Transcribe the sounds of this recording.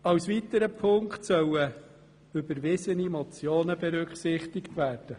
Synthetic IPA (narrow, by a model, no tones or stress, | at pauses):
ɑwsʋit̪əɾəpʰʊŋkχtsœwə | ʏbəɾʋɪsənimɔt͡sjoːnəbɛɾʉkχsɪχtɪktvæːɾd̥ə